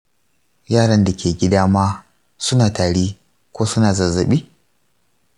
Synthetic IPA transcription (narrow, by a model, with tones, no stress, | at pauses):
jaː˦˨ɽɐ˦nda˨kʲeː˨ɡʲɪ˦daː˦maː˦ | sʊ˦naː˨taː˨ɽiː˦ | kʷoː˦sʊ˦naː˨zɐ˨zɐ˨ɓiː˦